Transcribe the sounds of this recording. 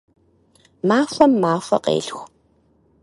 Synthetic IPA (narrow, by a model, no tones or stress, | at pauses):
maːfɐmːaːfɐ̰qḛːɮxʷ